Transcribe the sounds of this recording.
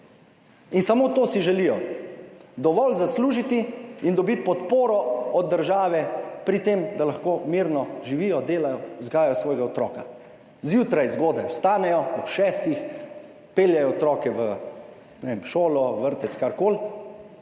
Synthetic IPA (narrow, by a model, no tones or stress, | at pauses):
insamoːt̪oːsiʒɛlijɔ | d̪ɔʋɔlzasluːʒit̪iind̪ɔbit̪̚pɔt̪poːɾɔɔd̪dːəɾʒaːʋɛpɾit̪eːmd̪alaxkoːmiɾnɔʒiʋijɔd̪eːlajɔzɡaːjjɔsʋɔːjɡaɔt̪ɾɔ̰ːka | zjuːt̪ɾajzɡoːd̪ɛwst̪aːnɛjɔɔpʃɛːst̪ix | peːljɛjɔɔt̪ɾɔːkɛʋə | nɛʋemʃoːlɔʋəɾt̪ɛskaɾkoːl